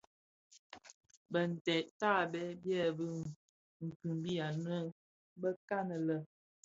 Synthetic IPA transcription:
bə˨n̩˨tɛ˨ʔta˦˨bɛ˦bjɛ˦˨bə˦ | ŋ̩˨kɯ˨mbi˦ja˨nwə˦ | bə˦ka˦nə˨lə˨

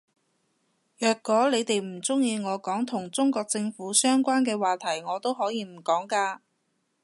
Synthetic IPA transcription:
jœː˨kːɔː˨˥le˨˧jt̪e˨jm̩˨˩t͡sʊ˥ŋjiː˧ŋɔː˨˧kɔː˨˥ŋt̪ʰʊ˨˩ŋt͡sʊ˥ŋkɔː˧k̚t͡sɪ˧ŋfuː˨˥sœː˥ŋkʷaː˥nkɛː˧waː˨t̪ʰɐ˨˩jŋɔː˨˧t̪o˥wɦɔː˨˥jiː˧m̩˨˩kɔː˨˥ŋkaː˧

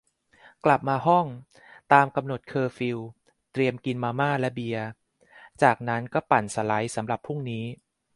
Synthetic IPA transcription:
kla˨˩p̚maː˧ɦɔ˥˩ŋ | t̪aː˧mka˧mno˨˩t̪̚kʰɤː˧fi˧w | t̪ɾi˧əmki˧nmaː˧maː˥˩lɛ˦˥bi˧ɐə | t͡ɕaː˨˩k̚na˦˥nkɔː˥˩pa˨˩nsa˧la˦˥jsa˩˦mɾa˨˩pʰːu˥˩ŋniː˦˥

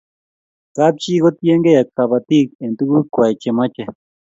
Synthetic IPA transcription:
ka˦p̚t͡ʃi˦ɣo˦t̪je˦ŋɡe˦ja˨ka˨βa˧˨t̪i˦ke˨nt̪u˦ku˦kʷa˨jt͡ʃe˨mã˦t͡ʃe˨

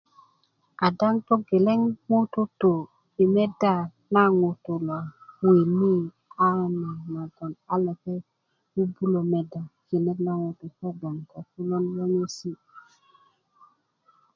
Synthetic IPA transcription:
a˨da˦ŋto˦ɡe˨le˦ŋmo˦to˦to˨ | i˨me˦da˦˨ | na˦ŋo˨to˨lwa˨wi˨ni˦ | a˦ni˨ma˨ɡo˨na˦le˨ke˦ | wu˦bu˦lo˨me˨da˨ki˨ne˦kna˦ŋo˨to˨ko˦ɡ͡bo˨ŋka˨fu˦lo˦nwo˦ŋo˦si˦

